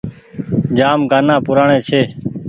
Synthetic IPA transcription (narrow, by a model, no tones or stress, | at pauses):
d͡ʒaːmɡaːnãːpʊɾaːɳẽːt͡ʃʰeː